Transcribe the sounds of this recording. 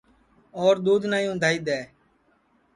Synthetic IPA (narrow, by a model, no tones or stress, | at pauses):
ɔːɾd̪uːd̪ʱnaːjũːd̪ʱaːiːd̪ɛː